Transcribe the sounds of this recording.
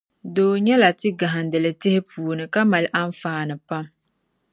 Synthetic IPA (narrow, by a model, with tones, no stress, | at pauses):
doː˨ɲɛ˦la˨tɪ˦ɡa˨ɦa˨n˨dɨ˨lɨ˨tɪ˦hɪ˦puː˨o˨nɨ˨ka˦ma˨lʔa˦n˦faː˦nɨ˨pa˦m